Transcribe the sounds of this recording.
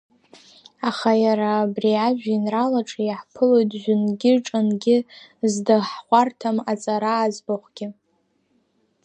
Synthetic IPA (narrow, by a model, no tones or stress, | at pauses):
aχajaɾaːbriaʒᶣinralaʈ͡ʂʼjħpʰɨlo̞jtʼʒʷᶣʊnɡʲɪʈ͡ʂʼanɡʲɪzdaħχʷartʰamat͡sʼaɾaːzbaχʷɡʲɪ